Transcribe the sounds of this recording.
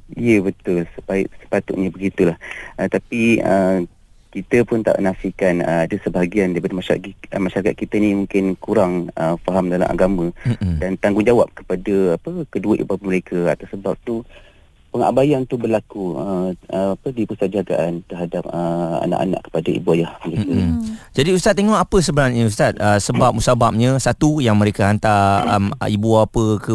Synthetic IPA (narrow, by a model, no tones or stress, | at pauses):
ijəbət̪ʊlsəpaɪʔsə̥pat̪ʊt̪̚ɲabəɡit̪ulahət̪apiə̰ | kit̪əpʊnt̪a̰ʔənasihkanə̰adəsəbaɦaɡiandajipadimaʃmaʃaɾakat̪̚kit̪ənĩmũŋkɪnkuɾaŋəfaɦamdala̰mʔa̰ɡamə̃dant̪aŋɡʊŋd͡ʒawap̚kə̥padəapəkəduəʔḭbapəməɾekʰəa̰t̪awsəbap̚t̪u | pəŋa̰bajant̪ubərlakuəəapədipusat̪̚d͡ʒaɡa̰ʔant̪əɦadap̚əa̰na̰ʔa̰na̰ʔkə̥padaḭbuajahməɾekad͡ʒadiust̪at̪ːeŋɔʔapəsəbəɾaɲə̃ust̪at̪̚əsəbap̚musabap̚ɲãsat̪ujaŋmə̃ɾekaɦant̪aə̰mibuaːpəkə